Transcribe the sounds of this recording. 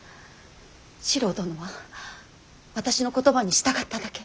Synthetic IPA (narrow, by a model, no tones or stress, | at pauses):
ɕiɾo̞ːt̪o̞noβa | βat̪aɕino̞ko̞t̪o̞baɲ̟iɕi̥t̪akat̪ːad̪ake̞